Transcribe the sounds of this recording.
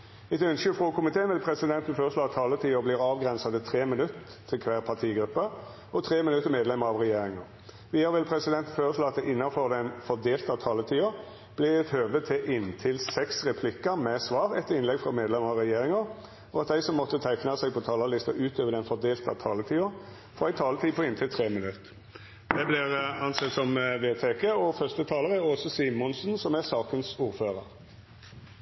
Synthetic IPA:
ɛt̪œnʃəfʁoːkʰʊmɪt̪ʰeːnʋɪlpʰɾɛsɪd̪ɛnt̪n̩føːɾəʂloːɑt̪ʰːɑːlət̪ʰiːʊbliːʁɑːʋɡʁɛnsɑd̪ət̪ʰɾeːmɪnʉt̪ə | t̪ʰːɪlkʰʋæːʁpʰɑt̪ʰiːɡɾʉpːə | ɔt̪ʰʁeːmɪnʉt̪ːəmeːd̪lɛməɾɑʋʁɛjeːɾɪŋɑ | ʋɪjɑɾʋɪlpʰɾɛsɪd̪ɛnt̪n̩føːɾəʂloːɑt̪d̪ɛʔɪnːɑfɔʁd̪ɛnfɔd̪eːlt̪ɑt̪ʰɑːlət̪ʰiːʊ | b̥lɪɛt̪høːʋd̪ət̪ʰɪʔɪnt̪ʰɪlsɛksʁɛpʰlɪkəmɛsʋɑːʁɛt̪ːəɪnlɛɡfʁɑmeːd̪lɛməʁɑɾɛjeːɾɪŋɑ | ɔɑt̪d̪ɛɪsɔmːɔt̪ːət̪ʰæɪknɑsɛɡ̚pʰɔt̪ʰɑːlɑlɪst̪ɑ̰ʔʉːt̪øːʋəd̪ɛnfɔd̪eːlt̪ɑ̰t̪ʰɑːlət̪ʰiːʊ | fɔʁɛɪt̪ʰɑːlət̪ʰiːpʰɔɪnt̪ʰɪlt̪ʰʁeːmɪnʉt̪ | d̪ɛblɪʁɑnsɛt̪sɔmʋeːt̪ʰekəɔfœst̪ət̪ʰɑːləʁəæʁɔsɔsiːmːɔnsn̩sɔmæsɑːkənsuːɾføːʁəɾ

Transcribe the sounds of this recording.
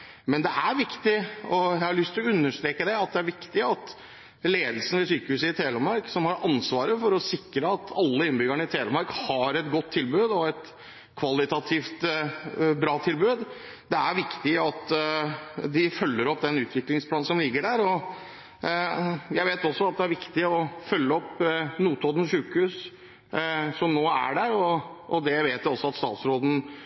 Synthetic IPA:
mɛnd̪ɛʔæɾʋɪkt̪ɪɔjæɪhɑɾɭlʏst̪ʰlɔʉnːəʂt̪ɾeːkəd̪ɛɑt̪̚d̪ɛæɾʋɪkt̪ɪɑt̪ | leːd̪lsn̩ʋɪsyːkəhʉːsəɪt̪ʰeːləmɑɾksɔmhɑɾɑnsʋɑːɾəfɔɾɔsɪkːɾəɑt̪ʰɑlːəɪnbʏɡəɳəɪt̪ʰeːləmɑɾkhɑɾɛt̪ɡɔt̪ʰːɪlbʉːd̪ɔɛt̪ | kʰʋɑlɪt̪ɑt̪ʰiːft̪ | bɾɑːt̪ʰɪlbʉːd̪ | d̪ɛæɾʋɪkt̪ɪɑt̪ | d̪ɪfœlːəɾɔpːd̪ɛnʉːt̪ʰʋɪklɪŋspʰlɑːn̩sɔmlɪɡːəɖæɾɔ | jæɪʋeːt̪ɔsːɔɑt̪̚d̪ɛæɾʋɪkt̪ɪɔfœlːəɔpnuːt̪oːd̪n̩ʂʉːkhʉːs | sɔmnoːæ̰ɖæɾɔʔːd̪ɛʋeːt̪jɪɔsːɔɑt̪st̪ɑ̰ːt̪sɾoːd̪n̩

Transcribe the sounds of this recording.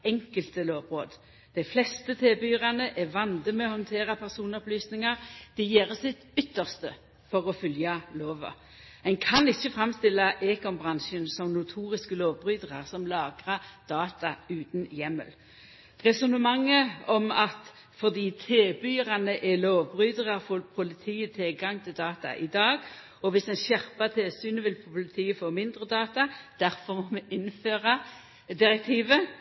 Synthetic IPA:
ɛŋkəlt̪əloːʋʁoːd̪ | d̪̥ɛɪflɛst̪ət̪ʰeːbyːʁɑnəʔɛʋɑnd̪əmɛɔhɔnt̪ʰeːɾɑpʰæʁsuːnɔplyːsnɪŋɑʁd̪̥ɛjeːʁəsɪt̪ʏt̪ːəʁst̪ə | fɔʁɔfʏljɑloːʋɑ̰ | ɛnkʰɑnɪçːəfʁɑmst̪ɪlːɑʔeːkɔnbʁɑnʃənsɔmnʊt̪ʰuːɾɪskəloːʋbʁyːd̪əʁɑʁsɔmlɑːɡʁɑd̪̥ɑːt̪ɑʉːt̪njɛmːə̰l | ʁɛsʊnəmɑŋːəɔmɑt̪ | fɔʁd̪iːt̪ʰeːbyːʁɑnəʔɛloːʋbʁyːd̪əʁɑʁfoːpʰʊlɪt̪ʰiːət̪ʰɪlɡɑŋt̪ʰɪld̪ɑːt̪ɑ̰ʔɪd̪ɑːɡ | ɔʋɪsɛnɕæʁpɑt̪ʰeːsyːnəʋɪlpʰpʊlɪt̪ʰiːəfoːmɪnd̪ʁəd̪ɑːt̪ɑd̪̥æʁfɔʁmɔmɛʔɪnføːʁɑ | d̪ɪʁɛk̚t̪ʰiːʋə

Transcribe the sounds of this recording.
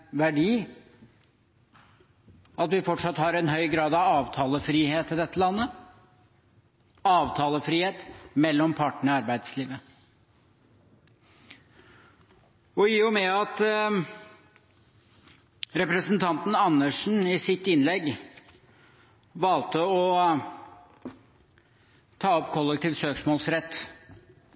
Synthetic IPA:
ʋæɖiː | ɑt̪ʋɪfɔʈʂɑt̪ːhɑɾɛnhœʏɡɾɑːd̪ɑʋɑːʋt̪ʰɑːləfɾiːheːt̪ɪd̪ɛt̪ːəlɑnːə | ɑːʋt̪ʰɑːləfɾiːheːt̪mɛlːɔmpʰɑʈɳ̩ɔɑɾbæɪd̪sliːʋə | ɔiʊmɛɑt̪ | ɾɛpɾəsənt̪ʰɑnt̪n̩ɑnːəʂn̩ɪsɪt̪ːɪnlɛɡ | ʋɑlt̪əɔ | t̪ʰɑːɔpkʰɔlːɛk̚t̪ʰiːʋsøːksmɔːlsɾɛt̪ː

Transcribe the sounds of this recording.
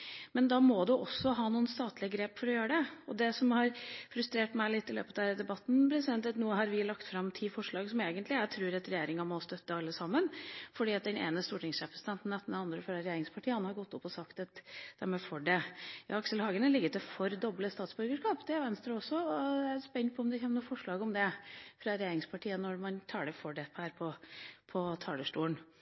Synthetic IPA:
mɛnd̪ɑːmɔd̪ʉʔɔsːɔɦɑːnuːənst̪ɑːt̪lɪəɡɾeːpfɔɾɔjøːɾəɖɛɔd̪ɛsɔmhɑɾfɾʉst̪ɾeːʈmæɪlɪt̪ːɪlø̰ːpət̪æːɾd̪ɛbɑt̪ːn̩pʰɾɛsɪd̪ɛnt̪ɛt̪nuːəɦɑɾʋɪlɑkt̪fɾɑmt̪ʰiːfɔʂɭɑːɡsɔmeːɡənt̪lɪæɾt̪ʰɾʉːɾɑt̪ɾɛjeːɾɪŋɑmɔst̪œt̪ːəɑlːəsɑmːənfɔɖiːɑt̪̚d̪ɛnḛːnəst̪uːʈɪŋsʃɛːpʰɾəsɪd̪ɛnn̩d̪ɛt̪ːnd̪ɛnɑnd̪ɾəfœɾəɾɛjeːɾɪŋspʰɑʈʰiːəɑnhɑɾɡɔt̪ːɔpːɔsɑkt̪ɑt̪d̪̥æɾmɛfɔɖɛjɑ̰ːɑksəlhɑːɡənəlɪɡːəɾt̪ɛfɔɾd̪ɔbləst̪ɑːt̪sbœɾɡəʂkɑːpd̪ɛæɾʋɛnst̪ɾəɔsːɔɔæspɛnt̪̚pʰɔɔmd̪ɛçeːmnuːfɔʂɭɑːɡɔmd̪ɛfɾɑɾɛjeːɾɪŋspʰɑʈʰiːənɔɾmɑnt̪ʰɑːɖɛfɔɖɛhæːɾpʰɔpʰɔt̪ʰɑːɖəʂʈuːən

